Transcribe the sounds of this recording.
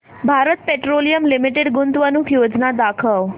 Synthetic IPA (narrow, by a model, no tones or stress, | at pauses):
bʱaɾət̪̚peʈɾolijəmlimiʈeɖɡunt̪ʋənukʰjod͡znad̪akʰəʋ